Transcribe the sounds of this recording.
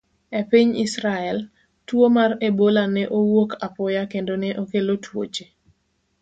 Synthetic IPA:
epiɲisɾaɛl | twomarebolanɛʔowokʰapɔjakendonɛʔokelotwo̰t͡ʃe

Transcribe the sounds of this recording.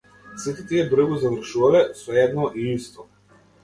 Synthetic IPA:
sit̪ɛt̪iɛbɾ̩ɡuzavr̩ʃuvalɛsɔɛd̪nɔʔiist̪ɔ

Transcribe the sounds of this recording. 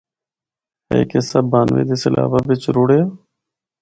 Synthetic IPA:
ɦɛ̰ːkesəbːaːnʋḛːd̪eːsəlʔa̰ːʋaːʋɪt͡ʃɾoːɽeːaː

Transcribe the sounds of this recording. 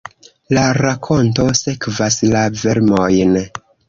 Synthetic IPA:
laɾakʰo̞nto̞se̞kvaslave̞ɾmo̞jn

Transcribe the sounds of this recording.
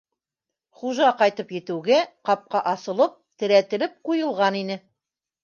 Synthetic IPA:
χuʒɑqɑjt̪ɤpjɘ̆t̪ɘwɡæqɑp̚qɑʔɑsɤ̆lˠɤp̚t̪ɘ̆ɾæt̪ɘ̆lɘp̚qujɤ̆lˠʁɑninɘ

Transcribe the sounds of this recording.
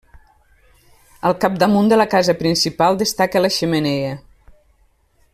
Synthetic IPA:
əlˠkap̚d̪əmund̪ələkazəpɾinsipalˠd̪əst̪akələʃəməneə

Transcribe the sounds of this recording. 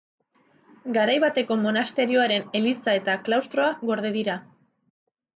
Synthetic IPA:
ɡaɾajβat̪e̞ko̞mo̞nast̪e̞ɾio̞aɾe̞ne̞lisae̞t̪aklawst̪ɾo̞aɣo̞ɾð̞e̞ðiɾa

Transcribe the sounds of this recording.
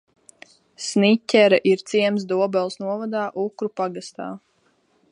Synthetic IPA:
snicʲɛɾaʔiɾt̪siɛms̬d̪uɔbɛlˠsnuɔvad̪aːʔukɾupaɡast̪a̰ː

